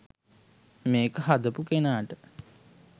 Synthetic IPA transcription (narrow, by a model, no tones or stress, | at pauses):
meːkəɦad̪əpukenaːʈə